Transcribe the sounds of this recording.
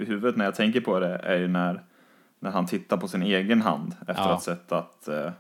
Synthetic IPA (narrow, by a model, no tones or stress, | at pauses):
ɪɦʉ̟ːvət̪næɾjaːt̪ʰɛŋk̬əɾpʰɔd̪ɛæ̰ɾjɵnæɾ | næɾhant̪ʰɪt̪ːaɾpʰɔsɪneːɡənɦa̰nd̪ɛft̪əɾat̪sɛt̪ːat̪